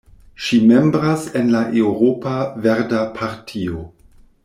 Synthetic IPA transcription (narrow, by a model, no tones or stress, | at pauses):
ʃime̞mbɾasenlaʔewɾopaveɾdapʰaɾtʰio